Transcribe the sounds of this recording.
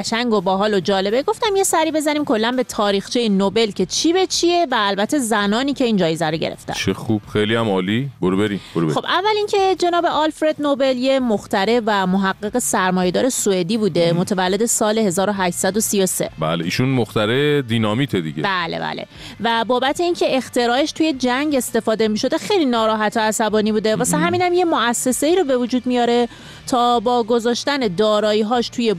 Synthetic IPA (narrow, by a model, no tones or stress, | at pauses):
ʃæŋɡobɒɦɒːlod͡ʒɒːle̞beɡo̞ft̪æmjesæɾiːbe̞zæniːmkʰo̞lːænbe̞t̪ʰɒːɾiːxt͡ʃʰejinobe̞lcʰe̞t͡ʃʰibe̞t͡ʃʰie̞væːlbæt̪ʰːe̞zænɒːniːcʰe̞iːnd͡ʒɒːjezæɾoɟeɾḛft̪æ̰nt͡ʃʰexub̥xejliæmɒːliboɾubeɾinboɾuxobʔævːælincʰe̞d͡ʒe̞nɒːbe̞ʔɒlfɾe̞d̪nobe̞ljemoxt̪æɾe̞væmoɦæɢːeɣe̞sæɾmɒːjed̪ɒːɾe̞sued̪iːbuːd̪e̞mot̪ʰevælːe̞d̪e̞sɒːle̞he̞zɒːɾoɦæʃt̪sæd̪o̞sijo̞sḛbæ̰ːleḭːʃunmoxt̪æɾed̪inɒːmiːt̪ʰed̪ḭɡɟḛbæːlḛbæ̰ːlḛ | væbɒːbæt̪ʰe̞iːncʰe̞ʔext̪ʰe̞ɾɒːeʃt̪ʰuːje̞d͡ʒæɲɟe̞st̪e̞fɒːd̪e̞miʃo̞d̪exe̞jlinɒːɾɒːɦæt̪ʰoæsæbɒːnibuːd̪e̞vɒːsæɦæmiːnhæmje̞moæsːe̞se̞iːɾobe̞vud͡ʒuːd̪mijɒːɾe̞ | t̪ʰɒːbɒːɡo̞zɒːʃt̪æne̞d̪ɒːɾɒːiːɦɒːʃt̪ʰuje̞